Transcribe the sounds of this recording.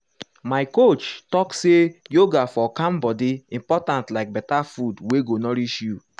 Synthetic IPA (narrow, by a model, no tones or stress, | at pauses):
maɪkot͡ʃtɔksejoɡafɔkãmbɔdiĩmpɔtãntlaɪk̚bɛtafudweɡonɔɾit͡ʃju